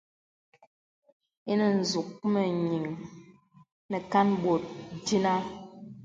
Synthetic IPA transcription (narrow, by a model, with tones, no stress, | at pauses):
i˦nə˨n̩˨zu˨k̚mə˨ɲi˨ŋ | nɛ˨ka˦nbo˨t̚di˦na˦